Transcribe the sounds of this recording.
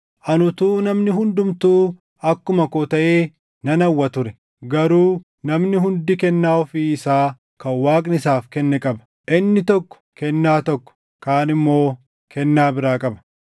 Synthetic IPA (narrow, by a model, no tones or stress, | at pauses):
ʔɐnʊt̪uːnɐmnɪɦʊnd̪ʊmt̪uː | ɐkːʊmɐkoːt̪ɐʔeː | nɐnɐwːɐt̪ʊɾɛ | ɡɐɾuː | nɐmnɪɦʊnd̪ɪkɛnːaːɔfiːɪsaː | kɐwːaːkʼnɪsaːfkɛnːɛkʼɐbɐ̥ | ʔɪnːɪt̪ɔkːɔ̥kɛnːaːt̪ɔkːɔ̥ | kaːnɪmːo̞ː | kɛnːaːbɪɾaːkʼɐbɐ̥